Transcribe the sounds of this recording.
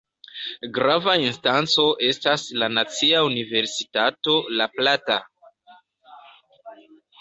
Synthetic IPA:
ɡɾavainstant͡so̞ʔe̞staslanat͡siaunive̞ɾsitato̞laplata̰

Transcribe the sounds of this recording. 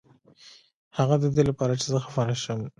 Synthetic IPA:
haɣad̪əd̪elapɑɾat͡ʃezəxafaɾaʃəm

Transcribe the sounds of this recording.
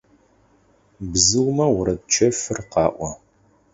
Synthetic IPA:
bzɨlmɐwʊɾɐd̚t͡ʃʰɐfɨrqɑːʔʷɔ

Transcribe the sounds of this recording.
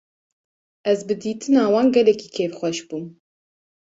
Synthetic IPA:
ɛzbɨd̪iːt̪ɨnɑːwɑːnɡɛlɛkiːkʰeːfxʷɛʃb̥uːm

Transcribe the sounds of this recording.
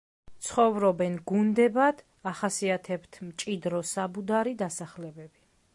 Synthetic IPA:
t̪sʰχɔvɾɔbɛnɡund̪ɛbad̪̥ | aχasiat̪ʰɛbt̪ʰmt͡ʃʼid̪ɾɔsabud̪aɾid̪asaχlɛbɛbi

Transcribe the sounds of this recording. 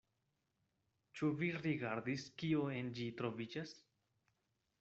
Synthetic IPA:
t͡ʃuviɾiɡaɾdiskioend͡ʒitɾo̞vid͡ʒas

